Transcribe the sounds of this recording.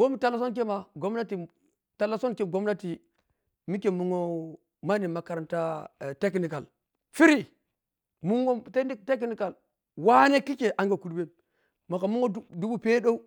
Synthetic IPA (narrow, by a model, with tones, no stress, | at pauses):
bo˦mi˦ta˨la˨˦s̬o˦nk̬e˦ma˨ɡo˦mna˦ti˨ | ta˨la˨so˦nke˨ɡo˦mna˦ti˨ | mi˦ke˨mu˦ŋo˦ | ma˦ni˨ma˨ka˨ɾa˨nta˦˨te˦kni˨ka˨l | fi˦ɾi˨ | mu˦ŋo˦tte˦k̬ni˦ka˨l | wa˦ne˦ki˦ke˨ʔa˨˦ŋɡa˨ku˨ɾbe˦n | ma˨ka˨mu˦ŋo˦du˦bu˦pe˦ɗo˦u˦